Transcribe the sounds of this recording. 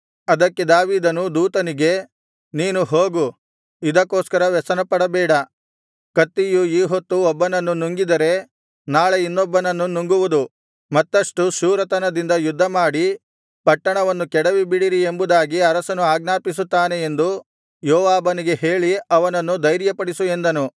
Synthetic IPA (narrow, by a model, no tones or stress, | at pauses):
ɐd̪ɐkːe̞d̪aːʋiːd̪ɐnud̪uːt̪ɐniɡe̞ | niːnuɦoːɡu | id̪ɐkːoːskɐɾɐʋɛsɐnɐpɐɽɐbɛːɽɐ | kɐt̪ːijuiːɦot̪ːuɔbːɐnɐnːunuŋɡid̪ɐɾe̞ | naːɭeinːɔbːɐnɐnːunuŋɡuʋud̪u | mɐt̪ːɐʂʈuʃuːɾɐt̪ɐnɐd̪ind̪ɐjud̪ʱːɐmaːɽi | pɐʈːɐɳɐʋɐnːukɛɽɐʋibiɽiɾie̞mbud̪aːɡiɐɾɐsɐnuaːɡnaːpis̬ut̪ːaːne̞e̞nd̪u | jɔːʋaːbɐniɡe̞ɦe̞ːɭiɐʋɐnɐnːud̪ɐjɾjɐpɐɽisuend̪ɐnu